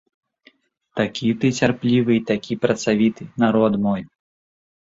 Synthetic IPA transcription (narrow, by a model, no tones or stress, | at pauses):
t̪akʲit̪ɨt͡sʲarplʲivɨit̪akʲipɾɐt̪savʲit̪ɨnaɾɔd̪mɔj